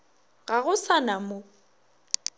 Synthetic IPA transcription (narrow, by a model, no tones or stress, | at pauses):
ɣaɣʊsanamo